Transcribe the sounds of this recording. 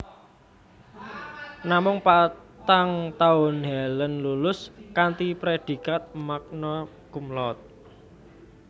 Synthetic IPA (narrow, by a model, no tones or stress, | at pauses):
namʊŋpat̪aŋt̪aʊnɦɛlənlulʊskant̪ipɾed̪̥i̤kat̪̚mak̚nɔ | kumlɔt̪̚